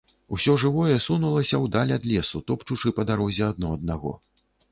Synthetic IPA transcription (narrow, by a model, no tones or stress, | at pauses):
usʲɔʐɨvɔjɛsunulˠɐsʲɐwd̪alʲad̪lʲɛsut̪ɔpt͡ʂut͡ʂɨpɐd̪aɾɔzʲɛɐd̪nɔɐd̪̚naɣɔ̰